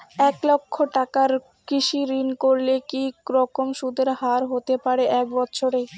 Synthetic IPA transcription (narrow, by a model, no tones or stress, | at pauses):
ɛklokʰːoʈakaɾ | kiʃiɾinkoɾlekiɾɔkomʃud̪ʱeɾɦaɾɦot̪epaɾeʔɛk̚bɔtːɕʰoɾe